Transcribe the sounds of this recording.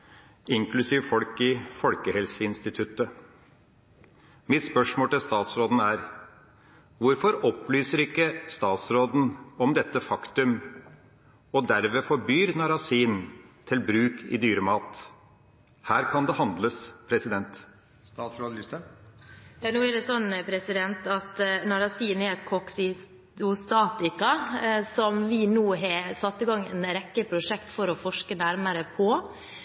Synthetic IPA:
ɪŋklʉsiːʋəfɔlkɪfɔlkəhɛlsəɪnst̪ɪt̪ʰʉt̪ːə | mɪt̪spœʂmoːlt̪ɪlst̪ɑːt̪sɾoːd̪n̩æːɾ | ʋʊɾfɔɾɔplyːsəɾɪkːəst̪ɑːt̪sɾoːd̪n̩ɔmd̪ɛt̪ːəfɑkt̪ʉm | ɔd̪æɾʋefɔɾbyːɾnɑɾɑsiːnt̪ʰɪlbɾʉːkɪ̰d̪yːɾəmɑːt̪ | hæːɾkʰɑnd̪ɛhɑnd̪ləspʰɾɛsɪd̪ɛnt̪ | st̪ɑːt̪sɾɑd̪lɪst̪ə | jɑːnuːɛɖɛsɔnːpʰɾɛsɪd̪ɛnt̪ɑt̪nɑɾɑsiːnɛɾɛt̪kʰɔksɪ | t̪ʊst̪ɑːt̪ɪkɑsɔmʋɪnuːɦɑsɑt̪ːɪɡɑŋːɛnɾɛkːəpʰɾʊʂɛkt̪fɔɾɔfɔʂkənæɾməɾəpʰɔ

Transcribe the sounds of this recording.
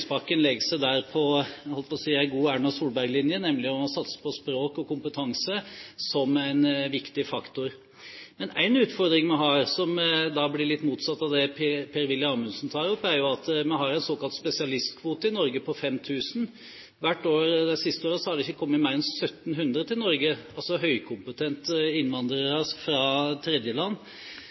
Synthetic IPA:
spɑkːənlɛɡəsæɪd̪æɾpʰɔhɔltpɔsiːæɾɡuːæɳɑsuːlbæɾɡlɪnjənɛmlɪɔɔsɑt̪sə̥pʰɔspɾoːkɔkʊmpət̪ʰɑŋsəsɔmæɪnʋɪkt̪ɪfɑkt̪ʊɾ | mɛnæɪnʉːt̪fɔɾd̪ɾɪŋmɛɦɑːɾsɔmd̪ɑblɪɾɭɪt̪ːmuːt̪sɑt̪ːɑʋd̪ɛpʰpʰeːɾʋɪlːɪɑmʉnsn̩t̪ʰɑːɾɔpːæɾjʊɑt̪mɛɦhɑɾæɪnsoːkɑlt̪spɛsɪɑlɪst̪kʰʋuːt̪əɪnɔɾɡəpɔfɛmt̪ʰʉːsn̩ | ʋæʈːoːɾd̪ɛsɪst̪əoːɾəsɔhɑdɖ̪ɛɪçːəkʰɔmːət̪mæɪɾɛnsœt̪ːnɦʉnd̪ɾət̪ʰɪlnɔɾɡəɑlsɔɦœʏkʰʊmpət̪ʰɛnt̪ɪnʋɑnd̪ɾəɾəfɾɑːt̪ʰɾɛd̪jəlɑnː

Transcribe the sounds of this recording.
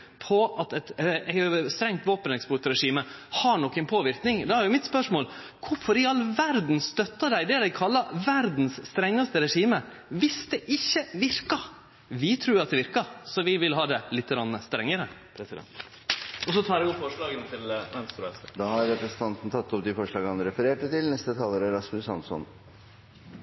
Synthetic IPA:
pʰɔɑt̪ɛt̪ɛst̪ɾɛŋt̪ʋoːpənɛkspʊʈɾɛʂiːmə | hɑɳɔkːɛnpʰoːʋɪɾknɪŋd̪ɛhæɾjʊmɪt̪spœʂmoːl | kʰʊfɔɾɪɑlːʋæɾd̪n̩st̪œt̪ːɑd̪æɪd̪ɛd̪æɪkʰɑlːɑʋæɾd̪n̩sːt̪ɾɛŋːɑst̪əɾɛʂiːmə | ʋɪsd̪ɛʔɪçːəʋɪɾkɑ | ʋɪt̪ʰɾuːɾɑt̪̚d̪ɛʋɪɾkɑsɔʋɪʋɪlɦɑːd̪ɛlɪt̪ːəɡɾɑnːəst̪ɾɛŋːəɾəpʰɾɛsɪd̪ɛ̰nt̪ | ɔsɔt̪ʰɑːɾɛɪɔpːfɔʂɭɑːɡənət̪ʰɪlmɛnst̪ɾʊɛst̪əd̪ɑːhɑɾɛpɾɛsn̩t̪ʰɑnt̪n̩t̪ʰɑt̪ːɔpd̪ɪfɔʂɭɑːɡhɑnɾɛfəɾeːʈət̪ɪlnɛst̪ət̪ʰɑːləɾəɾɑskʉsɑnsɔ̰n

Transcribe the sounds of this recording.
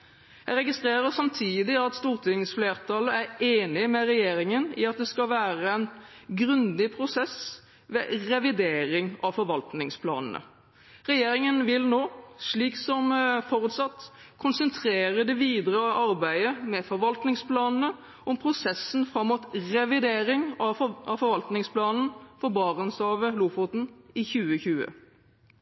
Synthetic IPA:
jæɪɾɛɡɪst̪ɾeːʁəsɑmt̪ʰiːd̪ɪɑt̪st̪uːʁt̪ʰɪŋsfleːʁt̪ʰɑləæɾeːnɪmɛʁɛjeːɾɪŋənɪ̰ɑt̪̚d̪ɛskɑlʋæːɾəɛnɡɾʉnd̪ɪpʰɾʊsɛs | ʋɛʁɛʋɪd̪eːɾɪŋɑfɔɾʋɑlt̪nɪŋspʰlɑ̰ːnn̩ə̰ | ʁɛjeːɾɪŋənʋɪlnoːʂɭiːksɔmfɔɾʉːt̪sɑt̪ː | kʰʊnsənt̪ʰɾeːɾəd̪ɛʋiːd̪ʁəʔɑɾbæɪəmɛfɔɾʋɑlt̪nɪŋspʰlɑːnn̩ə | ʔɔmpʰʁʊsɛsnfɾɑmːuːt̪ʁɛʋɪd̪eːɾɪŋɑɑfɔɾʋɑlt̪nɪŋspʰlɑːnn̩fɔɾbɑːʁənsɑːʋəlufʊt̪n̩ɪçʉːəçʉːə̰

